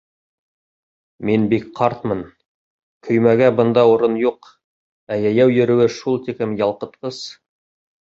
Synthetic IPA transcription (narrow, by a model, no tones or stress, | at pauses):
minbikqʰɑɾt̪mɤn | kʰɵ̆jmæɡæbɤ̆nd̪ɑuɾɤnjuq | æjæjæwjɵ̆ɾɘ̆wɘʃulˠt̪ikɘmjɑlˠqɤ̆t̪qɤz̥